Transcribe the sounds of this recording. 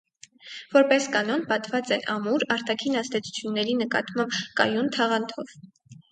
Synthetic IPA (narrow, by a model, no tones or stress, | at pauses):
vɔɾpɛskɑn̪ɔnpɑt̪vɑt͡sɛnʔɑmuɾɑɾt̪ɑkʰinɑst̪ɛt͡sʰu̥t͡sʰjunːɛɾinəkɑ̰t̪mɑmbkɑ̰junt̪ʰɑʁɑnt̪ʰɔv